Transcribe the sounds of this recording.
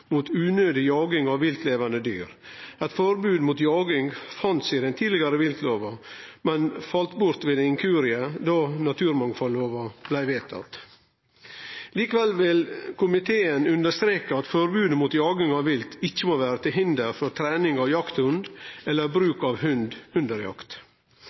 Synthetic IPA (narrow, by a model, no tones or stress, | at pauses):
muːt̪ʉːnøːd̪ɪjɑːɡɪŋɑʋːɪlt̪leːʋɑnd̪əd̪y̰ːɾ | ɛt̪fɔɾbʉːd̪muːt̪jɑːɡɪŋfɑnt̪sɪd̪ɛnt̪ʰiːd̪lɪɡɑɾəʋɪlk̪ʰloːʋɑmɛnfɑlt̪bʊɾt̪ʋeːd̪ɛɪŋkʰʉːɾɪəd̪ɑːnɑt̪ʰʉːɾmɑŋfɔlːoːʋɑb̥læɪʋeːt̪ʰɑ̰t̪ | liːkəʋɛlːʋɪlkʰʊmɪt̪ʰeːənʉnd̪əʂt̪ɾeːkəɑt̪fɔɾbʉːd̪əmuːt̪jɑːɡɪŋɑʋʋɪlt̪ɪc͡çːəmoːʋæːɾət̪ɪlɦɪnd̪əɾfɔɾt̪ʰɾæːnɪŋɑʋjɑkt̪hʉnd̪ɛlːəɾbɾʉːkɑʋɦʉnd̪ʉnd̪əɾjɑ̰kt̪